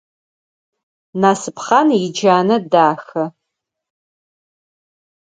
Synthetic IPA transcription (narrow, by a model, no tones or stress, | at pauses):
naːsɨpχanid͡ʒaːnɐdaːxɐ